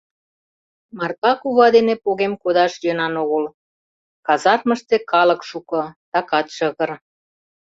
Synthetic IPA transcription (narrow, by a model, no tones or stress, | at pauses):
mɑrkɑkuβɑd̪enepoɣemkod̪ɑʃjønɑnoɣəl | kɑzɑrmə̆ʃt̪ĕkɑlə̆kʃukɤ̆t̪ɑkɑt̪ʃəɣər